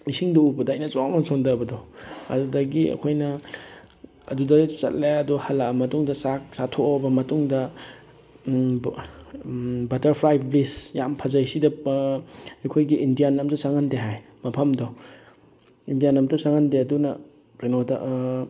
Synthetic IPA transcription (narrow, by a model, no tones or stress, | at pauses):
isiŋdoubɐdajnɐt͡ʃɔmasondɐbɐdɔɐ̰dudɐɡiɐ̰kʰojnɐ | ɐ̰dudɐt͡ʃɐ̰t̚lajɐdɔhɐlːamɐtuŋdɐsaksatʰoobɐmɐtuŋdɐ | bɐtɐɾpʰɾajb̚blisjampʰɐzɐjsidɐ | ɐjkʰojɡiːndijanɐmtɐsaŋandeɦaj | mɐpʰɐmdɔ | indijanɐmtɐsaŋandeɐdunɐ̰ | kɐjnodɐ̰ʔ